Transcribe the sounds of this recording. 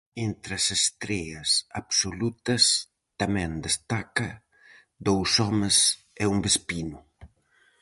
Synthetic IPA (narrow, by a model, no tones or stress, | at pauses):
ent̪ɾɐsest̪ɾɛɐsapsolut̪ɐs | t̪amɛ̃nd̪est̪akɐ | d̪owsɔmes | ɛumbespinʊ